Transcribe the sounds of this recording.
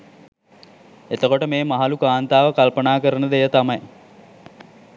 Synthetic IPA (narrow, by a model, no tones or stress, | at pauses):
et̪əkoʈəmeːmɐɦalukaːnt̪aːʋəkalpənaːkəɾənəd̪ejət̪amɐj